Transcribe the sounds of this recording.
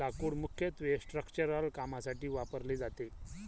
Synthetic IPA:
akuːɽmukʰjət̪ʋesʈɾəkt͡ɕəɾəlkamasaʈiːʋapəɾled͡zat̪e

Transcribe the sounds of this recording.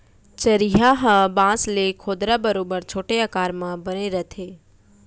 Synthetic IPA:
t͡ʃəɾiɦaɦə̃bãslekʰod̪ɾabəɾobəɾt͡ʃʰoːʈeəkaɾmãbəneɾət̪ʰe

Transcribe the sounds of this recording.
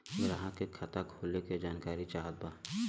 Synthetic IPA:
ɾɐɦãkekʰɐt̪akʰoːleked͡ʒaːnkaːɾit͡ʃaːɦət̪̚baː

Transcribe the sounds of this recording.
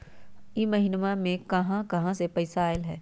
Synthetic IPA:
imɐɦinmamẽkɐɦãkɐɦãsepɐɪsaːɪlɦɛː

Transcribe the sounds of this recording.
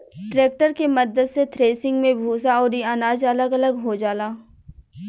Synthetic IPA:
ʈɾeːk̚ʈəɾkemɐd̪əd̪set̪ʰɾeːsɪ̃ŋɡmẽbʱuːsaɔːɾiaːnaːd͡ʒɐləɡɐləɡɦod͡ʒaːlaː

